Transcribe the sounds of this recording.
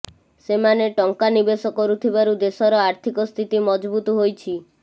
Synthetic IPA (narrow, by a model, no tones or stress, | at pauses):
semaneʈɔŋkanibesɔkɔɾut̪ʰibaɾud̪esɔɾɔaɾt̪ʰikɔst̪ʰit̪imɔd͡ʒbut̪ɔɦojt͡ʃʰi